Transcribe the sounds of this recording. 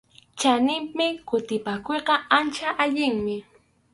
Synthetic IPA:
t͡ʃanɪmmɪkʊt̪ɪpakojqɑant͡ʃaʔaʎɪŋmɪ

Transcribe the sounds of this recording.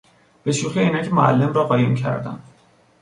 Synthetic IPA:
b̥e̞ʃuːxiiːnæcʰemoæ̰lːe̞mrɒːɣɒːjemcʰæ̰ɾd̪æ̰nd̪

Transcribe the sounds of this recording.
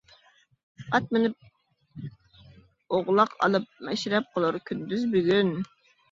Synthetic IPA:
ɑt̪̚mɪnɪp̚ | oʁlˠɑqʰɑ̰lˠɨp̚mɛʃɾɛp̚qʰəlˠuɾkʲʰynd̪yzbyɡʲyn

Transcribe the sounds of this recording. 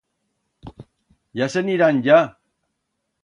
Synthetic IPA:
jaseniɾanja

